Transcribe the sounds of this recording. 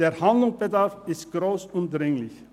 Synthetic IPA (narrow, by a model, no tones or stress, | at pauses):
d̥eːɐhandlʊŋsb̥ədaɐfɪstɡ̥ʁoːsʊnd̥ʁɪŋlɪç